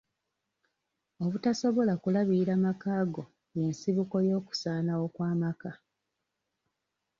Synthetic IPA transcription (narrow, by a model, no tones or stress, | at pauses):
o̞βutaso̞βo̞lakulaβiiɾamakaːɡo̞ | je̞nsiβuko̞jo̞ːku̥saːnawo̞kwaːmaka